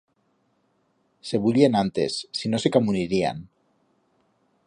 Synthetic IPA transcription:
se̞βulienant̪e̞sːino̞sekamuniɾia̰n

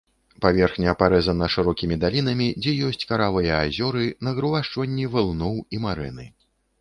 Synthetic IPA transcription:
pavʲɛrxnʲɐpaɾɛzɐnɐʂɨɾɔkʲimʲid̪alʲinɐmʲid͡zʲɛjɔsʲt͡sʲkaɾavɐjɐazʲɔɾɨnɐɣɾɨvaʂt͡ʂvɐnʲːivɨlˠnɔwimaɾɛnɨ

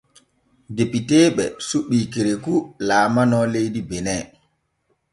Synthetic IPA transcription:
depitɛːɓɛsuɓːikeɾekulaːmanɔlejdibɛnɛ

